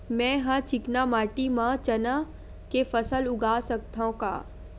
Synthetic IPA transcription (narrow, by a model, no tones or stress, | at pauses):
mɛ̃ːɦãt͡ʃɪknamaːʈimãt͡ʃɐna | kefəsəlʊɡʱaːsək̚t̪ʰaõka̰ː